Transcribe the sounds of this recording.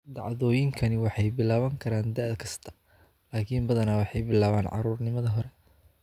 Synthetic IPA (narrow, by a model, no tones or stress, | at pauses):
d̪ɑʕðɔːjɪŋkʰɐnɪwɑħɑjbɪlaːβɐŋkʰɐɾaːnd̪ɛʔd̪kʰɐst̪ʰɐ̥ | laːkʰiːmbɐðɐnawɑħɑjbɪlaːβaːnʕɑ̰ɾuːrnɪmɐðɐɦɔɾɛ